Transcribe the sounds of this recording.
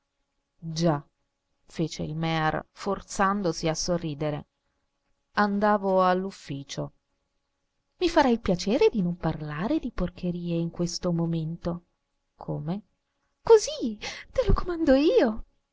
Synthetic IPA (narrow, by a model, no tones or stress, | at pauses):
d͡ʒa | feːt͡ʃḛilmɛrfort̪sand̪osiasːorːiːd̪eɾḛ | and̪aːvoalːufːiːt͡ʃo | mifaɾailpjat͡ʃɛːɾed̪inomparlaːɾed̪ipork̟eɾiːeiŋkwest̪omoment̪o | kʰoːme | kozit̪elokomand̪oiːo